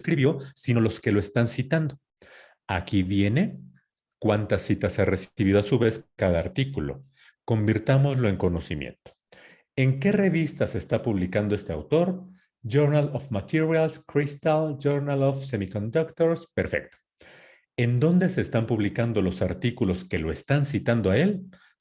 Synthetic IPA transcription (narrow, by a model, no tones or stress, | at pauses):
skɾiβjo̞sino̞lo̞ske̞lo̞e̞st̪ansit̪and̪o | a̰kiβje̞ne̞ | kwant̪asit̪asearesiβiðoasuβe̞skaðaːɾt̪ikulo̞̰ | ko̞mbiɾt̪amo̞zlo̞e̞ŋko̞no̞simjḛnt̪o̥ | e̞ŋke̞re̞βist̪ase̞ːst̪apuβlikand̪o̞e̞st̪ea̰wt̪o̞ɾ | d͡ʒoɾnalofmat̪iɾjalskɾist̪ald͡ʒoɾnalofsemikond̪okt̪oɾspe̞ɾfe̞̰k̚t̪o̥ | e̞nd̪o̞nd̪e̞se̞ːst̪ampuβlikand̪o̞lo̞saɾt̪ikulo̞ske̞lo̞est̪ansit̪and̪oae̞l